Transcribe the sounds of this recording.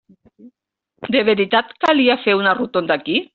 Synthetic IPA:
d̪eβeɾit̪at̪kaliafeunarut̪ond̪aki

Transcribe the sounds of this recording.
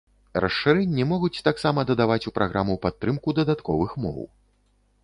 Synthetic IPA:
rʔɐsʂɨɾɛnʲːɛmɔɣut͡sʲt̪aksamɐd̪ɐd̪avat͡sʲupɾʔaɣɾʔamupat̪ːɾɨmkud̪ɐd̪at̪kɔ̰vɨxmɔ̰w

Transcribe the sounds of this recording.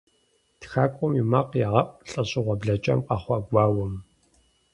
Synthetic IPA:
txaːkʷʼɔmimaqjaːʁɐpʼɬʼɐɕʼɪʁʷɔbɮɐt͡ʃʼɐ̰mqɑχʷɔɡʷɑːwɔm

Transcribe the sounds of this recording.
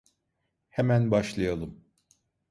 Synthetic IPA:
hemænbaʃlˠɯjalˠɯm

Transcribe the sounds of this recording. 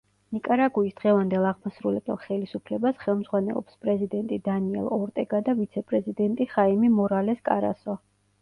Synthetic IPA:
nikʼaɾaɡuisd̪̥ʁɛvand̪ɛlˠaʁmɔsɾulɛbɛ̰lˠχɛlisupʰlɛbasχɛlˠmzʁwanɛ̰lˠɔ̰pspʼɾɛzid̪ɛnt̪ʼid̪aniɛ̰lˠɔɾt̪ʼɛɡad̪avit̪sʰɛpʼɾɛzid̪ɛnt̪ʼiχaimimɔɾalɛskʼaɾa̰sɔ

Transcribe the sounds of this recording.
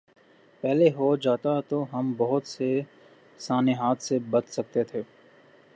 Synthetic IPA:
pɛɦleɦod͡ʒaːt̪at̪oɦɐmbɐɦʊt̪se | saːneɦaːt̪ʰsebɐt̪sɐk̚t̪et̪ʰeː

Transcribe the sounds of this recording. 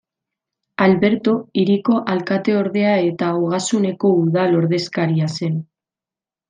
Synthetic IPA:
alβe̞ɾt̪o̞iɾiko̞ʔalkat̪e̞o̞ɾðe̞ae̞t̪aoɣ̞asune̞ko̞uðalo̞ɾðe̞skaɾiase̞n

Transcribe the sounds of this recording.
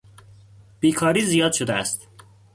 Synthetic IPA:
b̥iːkʰɒːɾiːzijɒːd̪ʃod̪eæst̪

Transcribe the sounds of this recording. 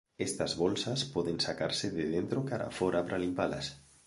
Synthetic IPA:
est̪azβɔlsaspɔðensaka̰ɾseðeðent̪ɾokaɾa̰fɔɾapɾalimpala̰s

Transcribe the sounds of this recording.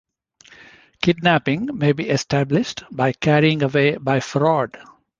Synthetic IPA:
kɪɖnæpɪ̃ŋmeːbiːʔesʈʰæblɪʃʈbaɪkæɾiɪ̃ŋəʋeːbaɪfɾɔːɖ

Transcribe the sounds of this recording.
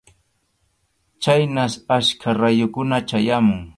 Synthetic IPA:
t͡ʃajnasaskʰaɾajʊkʊnat͡ʃajamʊŋ

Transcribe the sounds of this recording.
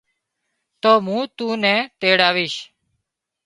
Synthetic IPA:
t̪oːmũːt̪ũːnɛ̃ːt̪eːɽaːʋiːʃ

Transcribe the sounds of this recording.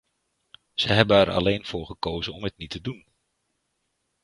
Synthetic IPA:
z̥əɦɛbəɛɾɑ̰lejnv̥ʊːɹχəkowzənɔmɦətnitʰədun

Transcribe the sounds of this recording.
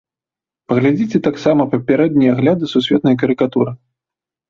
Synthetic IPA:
pɐɣlʲad͡zʲit͡sʲɛt̪aksamɐpɐpʲaɾɛd̪nʲijɐaɣlʲad̪ɨsusʲvʲɛt̪nɐjɐkɐɾɨkat̪uɾɨ

